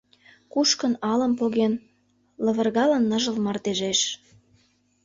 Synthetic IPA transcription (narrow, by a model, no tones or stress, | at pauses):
kuʃkə̆nɑlə̆mpoɣen | lɤ̆βə̆rɣɑlə̆nːɤʒə̆lmɑrt̪eʒeʃ